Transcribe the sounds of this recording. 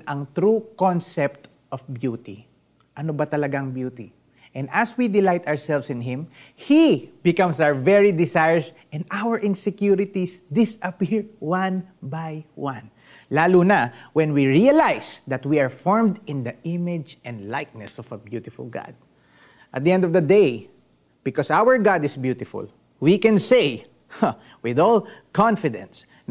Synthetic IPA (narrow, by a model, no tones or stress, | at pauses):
nʔɐŋt̪ɾukonsɛp̚t̪ | ʔɔfbjut̪i | ʔɐnobɐt̪ɐlɐɡaŋbjuːt̪i | ʔɛ̃nd̪ɐswid̪ɪlajt̪aəɹsɛlfsɪ̃nɦɪ̃m | hibɪkɐ̃msawəvɛɹid̪ɪsajɛɹsʔɛ̃nd̪ʔawəɹʔɪ̃nsɛkjuɾɪt̪isd̪ɪsʔɐpiɹwãnbajwãn | laːluːnawɛ̃nwiɹiɐlajsd̪ɐt̪wiaɹfɔɹmd̪ɪ̃nd̪ɐʔɪmɪd͡ʒɛ̃nd̪lajk̚nɛsɔvɐbjut̪ɪfʊ̰lɡɑ̰d̪̚ | ʔɐt̪̚d̪iɛ̃nd̪ɔvd̪ɐd̪ej | b̥ɪkɔsawəɹɡad̪ɪsbjut̪ɪfʊ̰l | wikɛ̃nseɪ | wɪðɔlkʰɔ̃nfɪd̪ɛ̰̃ns